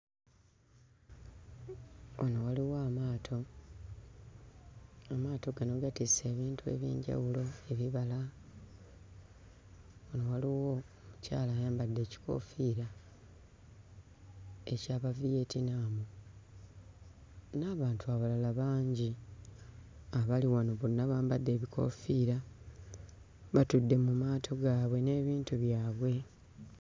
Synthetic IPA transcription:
onowaliwaːmaːtʰo | amaːto̞ɡanoɡatise̞ːβiːntʰue̞̰βḭːɲɟa̰wulo̞e̞βiβala | onowaliwo̞ | muca̰ːlajaːmbadːe̞ːci̥ko̞̰fiɾa | e̞caːβavije̞ːtinaːmu | naːβaːntuaβalalaβaːɲɟi | aβaliwano̞βunaβaːmbadːe̞ːβiko̞̰fiːɾa | βatudːe̞mumaːtʰo̞ɡaːβwe̞ne̞ːβiːntuβjaːβwe̞

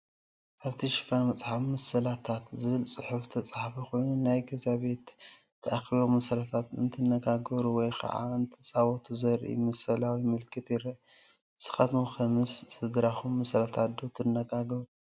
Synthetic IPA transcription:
ʔaβt̪ʰiʃɨ̥fanmɐt͡sʼħafmɐsɐlat̪ʰat̪zɨβɨlsʼɨħuft̪ʰɐt͡sʼaħfixo̞jnunajɡɐzaβe̞t̪ʰː | ɐʔaxiβomɐsɐlat̪ʰat̪ɨnt̪ʰɨnːɐɡaɡɐɾuwɔjkʰɐ̰ʔa̰ɨnt̪ʰɨt͡sʼawɔt̪ʰuzɐɾʔḭmɐsɐlawimɨlkʰɨt̪jɪɾɐ | sɨ̥xɐt̪muxʰɐmɨssɨd̪ɾaxumːɐsɐlat̪ʰad̪ot̪ʰɨnːɐɡaɡɐɾu

